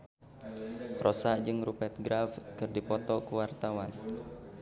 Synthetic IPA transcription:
rʔɔsaʔd͡ʒɨŋɾupɛt̪̚ɡɾafkɨrdipɔt̪ɔkəwart̪awan

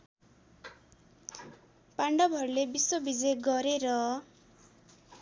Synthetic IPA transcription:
paɳɖʌbʱʌrlebiswobid͡zejɡʌɾeɾʌ

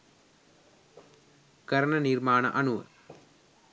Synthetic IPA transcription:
kɐɾɐɳɐnirmaːnɐ̰ʔɐnuʋɐ̰

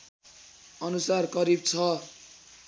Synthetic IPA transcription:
ʌnusarkʌɾib̚t͡sʰʌ

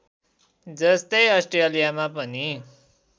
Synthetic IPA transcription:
d͡zʌst̪ʌjʌsʈrejʌlijamapʌni

